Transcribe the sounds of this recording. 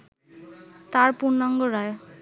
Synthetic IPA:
t̪aɾpunaŋɡɔɾaj

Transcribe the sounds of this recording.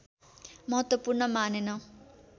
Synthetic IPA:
mʌɦʌt̪wʌpurnʌmanenʌ

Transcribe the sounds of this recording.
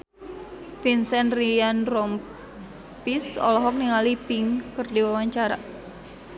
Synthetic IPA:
finsɛnrianrɔm | pisɔ̰lɔɦɔk̚niŋalipiŋkərdiwawaɲt͡ʃaɾa̰

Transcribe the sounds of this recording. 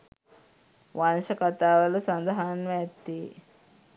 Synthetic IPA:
ʋɐnʃɐkɐt̪aːʋɐlusɐnd̪ɐɦanʋet̪ːi

